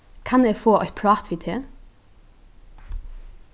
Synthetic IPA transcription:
kʰɑneːfoːʔɑ̰ʏpʰɽɑːt̪ʰʋɪːt̪ʰeː

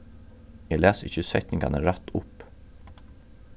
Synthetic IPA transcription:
jɛlæːsɪ̰çəsœt̪nɪŋɡɑ̰nəɾæt̪ʊp

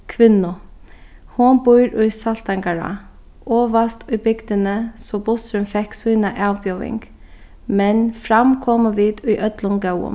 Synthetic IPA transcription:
kʰʋɪnʊ | hʊnbʊʏɾʔʉʏsɑlt̪ɑŋɡɑɹɑ̰ | ʔoːʋɑst̪ʰʉʏbɪɡd̪ənəsɔbʊst̪ɾʉmfɛksʉːnɑʔɑːʋbjœʊɪ̰ŋɡ̥ | mɛnfɾɑmkʰɔməʋiːd̪ʉʏʔœd̪lʊnɡɑʊə̰

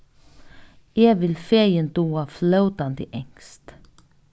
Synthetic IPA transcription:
eːʋɪlfeɐjənd̪̥uːaflœʊd̪̥and̪iʔɛŋst̪

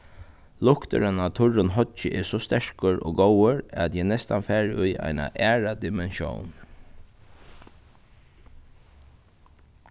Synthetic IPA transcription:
lʊkt̪ə̰ɾənat̪ʰʊɹʊnɦɔd͡ʒəʔɛːsɔst̪ɛɹkəɹo̰ːɡowəɹat̪jɛnɛst̪anfæːɹʊjʔa̰jna̰ʔæːɹad̪ɪmɛnʃjo̰wn

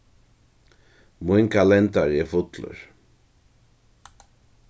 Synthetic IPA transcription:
mʊjnkʰalɛnt̪aɹɛfʊt̪lʊ̰ɹ

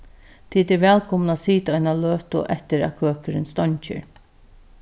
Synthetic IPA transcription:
t̪ʰiːt̪ɛɾʋɛːlkʰɔmnaːsiːt̪aɔjnaløːt̪ʊ̰ʔɛht̪ɪɾæ̰kʰøːkəɾɪnst̪ɔɲt͡ʃɪ̰ɹ

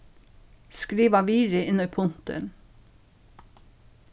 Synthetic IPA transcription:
skɾiːʋɑʋiːɾɪʔɪnɔpʰʊnt̪ə̰n

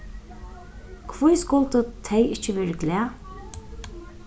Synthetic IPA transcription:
kʰvujskʊlt̪ət̪ʰejɪht͡ʃɪʋɛːɹəɡlæː

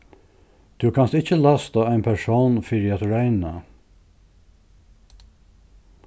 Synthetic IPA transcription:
t̪ʰʉkʰɑnst̪ɪçəlɑst̪aæɪnpʰæʂoːnfɪɾjæt̪ɹæɪna

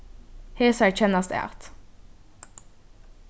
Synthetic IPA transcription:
heːsæɹc͡çɛnɑst̪ɛ̰ːʔɑ̰t̪

